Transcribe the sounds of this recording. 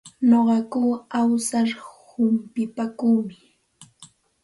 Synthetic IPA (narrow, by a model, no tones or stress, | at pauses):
noɢɑkuːawsaɾhʊmpɪpakuːmɪ